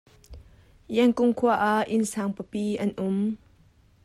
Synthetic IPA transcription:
ʔɛŋkʊŋkʰuaʔaʔɪnsaːŋpəpiːʔɐnʔʊm

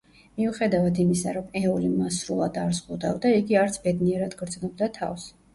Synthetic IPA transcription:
miuχɛd̪avad̪imisa̰ɾɔmɛɔlimasɾulˠad̪aɾzʁud̪avd̪aiɡiaɾt̪sʰbɛd̪niɛɾad̪ɡɾd̪znɔb̚d̪at̪ʰa̰fs

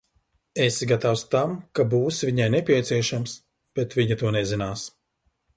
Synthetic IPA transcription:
esɡat̪awst̪amkabuːsvʲiɲajnɛpʲiɛt̪siɛʃams | b̥ɛt̪vʲiɲut̪uɔnɛzinaːs

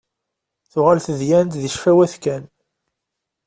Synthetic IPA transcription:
θʊʁalθəðjænt̪ðiʃfæwæθkæn

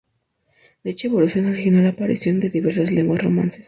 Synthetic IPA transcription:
d̪̥eet͡ʃoeβo̞lusjo̞nolixinolaːpaɾḭsjo̞nd̪e̞ðiβe̞ɾsazle̞ŋɡwasro̞̰mã̰nse̥s

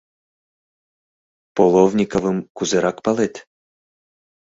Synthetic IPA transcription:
polˠovnʲikovɨmkuzɨɾɑkpɑlˠet̪

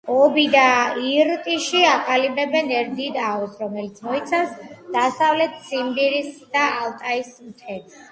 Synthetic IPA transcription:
ɔbid̪aiɾt̪ʼiʃiaqʼalibɛbɛnɛɾd̪id̪aɔsɾɔmɛlit̪sʰmɔit̪sʰafsd̪̥asavlɛt̪ʰsimbiɾisd̪̥aːlt̪ʼaismt̪ʰɛt̪s

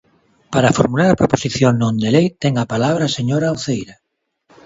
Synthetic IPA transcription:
paɾafoɾmulaɾapɾoposiθjoŋnõnd̪elejt̪ɛŋapalaβ̞ɾaːseɲoɾaoθejɾa

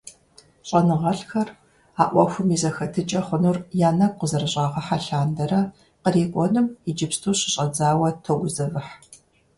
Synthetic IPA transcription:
ɕʼɐnɨʁɐɬxɐr | aːʔʷɔxʷʊmizɐxɐtʰɨt͡ʃʼɐχʷənurjaːnɐɡ̚ʷqʷʊzɐrɨɕʼaːʁɐħaɬaːndɐɾɐ | qəriːkʷʼɔnɨmid͡ʒɪpstʰuːɕɪɕʼɐd͡zaːwɐtʰoɡʷʊzɐvɨħ

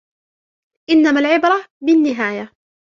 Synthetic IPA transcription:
ʔɪnːamalʕɪbɾˤɑbɪnːɪɦaːja

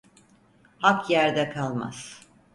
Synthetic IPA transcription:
hakjæɾd̪ɛkʰalˠma̰z̥

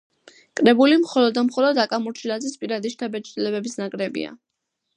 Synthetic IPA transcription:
kʼɾɛbulimχɔlɔd̪ːamχɔlɔd̪akʼamuɾt͡ʃʰilad̪zispʼiɾad̪iʃt̪ʰabɛt͡ʃʰd̪ilɛbɛbisnakʼɾɛbḭa̰

